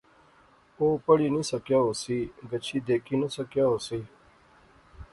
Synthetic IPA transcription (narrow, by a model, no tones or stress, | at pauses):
oːpəɽiːnĩːsəkjaːɦoːsiːɡət͡ʃʰiːd̪eːkʰiːnəsəkjaːɦoːsiː